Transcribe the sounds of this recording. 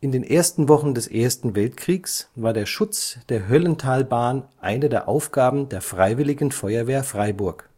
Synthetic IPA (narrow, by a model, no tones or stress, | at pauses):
ʔɪndeːnʔeːɐstn̩vɔχn̩dɛsʔeːɐstn̩vɛltkʁ̥iːksvaːɐdeːɐʃʊt͡sd̥eːɐɦœləntʰaːlbaːnʔa̰ɪnədeːɐʔaʊfɡ̥aːbm̩deːɐfʁ̥aɪvɪlɪɡn̩fɔʏɐveːɐfʁ̥aɪbʊɐk